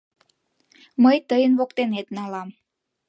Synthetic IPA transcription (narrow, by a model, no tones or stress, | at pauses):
məjt̪əjənβokt̪enet̪nɑlɑm